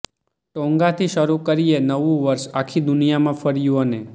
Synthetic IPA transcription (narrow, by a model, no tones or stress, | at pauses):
ʈɔ̃ŋɡat̪ʰiʃəɾukəɾijenəʋũʋəɾʃakʰid̪ʊnijamãfəɾjũəne